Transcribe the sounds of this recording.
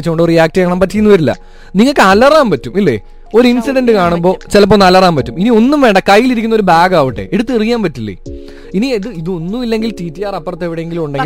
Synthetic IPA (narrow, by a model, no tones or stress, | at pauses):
it͡ɕːukoɳɖorijaːk̚tɐjaːɳaːmpɐtːeinːuʋɐɾilːɐ̰ | niŋːɐɭkːɨɐlɐraːmpɐtːumilːe̞̰ | o̞ɾuinsiɖɐnɖɨkaːɳumbo̞ːt͡ɕelɐp̬ːoːnɐlːɐraːmpɐtːuminio̞nːumʋe̞ːɳɖɐkɐjːiliɾikʲːunːo̞ɾubaːɡaːʋiʈːe̞̰ʔeɽut̪ːerijːaːmpɐtːilːḛ | inieðɨiðo̞nːumilːe̞ŋɡiltiːtːijaːrɐpːɐrɐt̪ːe̞ʋiɽejeŋɡilumuɳɖeŋɡ